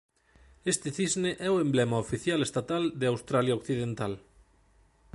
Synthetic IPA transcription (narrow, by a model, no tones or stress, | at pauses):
est̪eθizneʔɛoemblɛmaofiθjalest̪at̪ald̪eawst̪ɾaljaokθiðent̪al